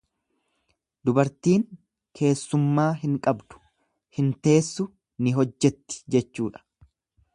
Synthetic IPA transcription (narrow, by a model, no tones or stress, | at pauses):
d̪ʊbɐɾt̪iːŋ | kʰe̞ːsːʊmːaːɦɪŋkʼɐbd̪̥ʊ̥ | hɪnt̪e̞ːsːʊ | nɪɦɔd͡ʒːɛt̪ːɪ̥d͡ʒɛt͡ʃːuːᶑɐ̥